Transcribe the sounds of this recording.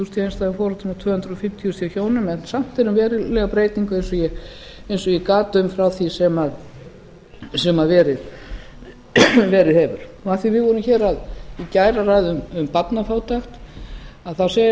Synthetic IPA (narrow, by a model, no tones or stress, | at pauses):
θust̪ʰjejnst̪aʏmfɔːɾɔt̪ɪmawt̪ʰvœːhnt̪ɾʏɔfɪm̥t̪ʰiɔst̪ʰiːçoːwnʏmɛnsam̥t̪ɛɾʏmvɛːɾɪlɛɣapɾeːjt̪niŋkʏejnsɔjɛejnsɔikaːt̪ʏmfɾawθisɛmað | sɛmaðvɛːɾɪð | vɛːɾɪðhɛːvʏɾ̥ɔaθivɪvɔːɾʏmçɛːɾaðicajɾarajðʏmʏmpat̪nafaːwt̪axt̪aðθase